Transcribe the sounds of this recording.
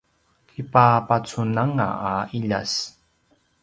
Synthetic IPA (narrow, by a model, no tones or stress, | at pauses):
kipapat͡sunaŋa̰ːiʎa̰s